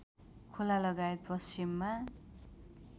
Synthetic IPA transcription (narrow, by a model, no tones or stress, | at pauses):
kʰolalʌɡajet̪̚pʌst͡ʃimːa